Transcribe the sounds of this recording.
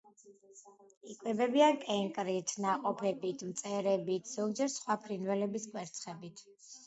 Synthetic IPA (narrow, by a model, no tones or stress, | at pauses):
ikʼwɛbɛbiankʼɛŋkʼɾit̪ʰnaqʼɔpʰɛbit̪ʰmt̪sʼɛɾɛbit̪ʰz̥ɔɡd͡ʒɛɾsχwapʰɾinvɛlɛbiskʼwɛɾt̪sʰχɛbit̪ʰ